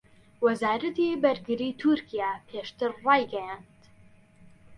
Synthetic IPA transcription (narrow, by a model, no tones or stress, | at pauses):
wɐzaːɾɐt̪ibɐɾɡɨɾiːt̪ʰuɾkʰijapʰeːʃt̪ɨɾːɑːjɡɐjant̪